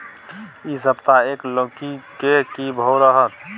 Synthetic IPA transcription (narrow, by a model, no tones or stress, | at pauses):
isəbt̪aeːklõkikekibʱowɾəɦət̪